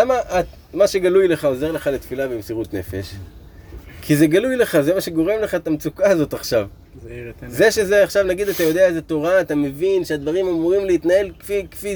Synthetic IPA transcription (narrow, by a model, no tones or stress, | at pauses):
amaʔat̪ | maʃe̞ɡalujle̞χao̞ze̞ʁle̞χalet̪filabemsiʁut̪ne̞̰fe̞̰ʃ | kʰizeɡalujle̞χazemaʃe̞ɡo̞ʁe̞mle̞χaet̪amt͡sukaːzo̞t̪aχʃav | ze̞ʃe̞zeaχʃavnaɡid̪at̪ajo̞d̪eaezet̪o̞ʁaːt̪ame̞vinʃead̪vaʁimamuʁimleit̪nae̞lkfikfi